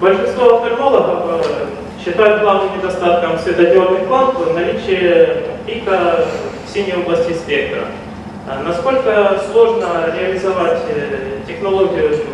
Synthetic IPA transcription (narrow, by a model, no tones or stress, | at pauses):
bəlʲʂɨnst̪voɐft̪ɐrno̞lˠəɣəf | ɕːɪt̪ajʊt̪̚ɡlˠavnɨmnʲɪd̪ɐst̪at̪̚kəmsvʲɪd̪ɐdʲornɨxklˠat̪nɐlʲit͡ɕɪjəpʲikəfsʲinʲɪjoblˠɐsʲtʲɪspʲe̞k̚t̪ɾə̰ | nɐsko̞lʲkəslˠo̞ʐnəɾʲɪɐlʲɪzɐvatʲtʲɪxnɐlˠoɡʲɪjʊ